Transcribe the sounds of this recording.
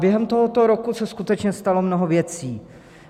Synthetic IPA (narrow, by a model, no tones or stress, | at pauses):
bjɛɦɛmt̪oɦot̪o̞ɾokusɛskut̪ɛt͡ʃɲɛst̪alo̞mnoɦovjɛt͡siː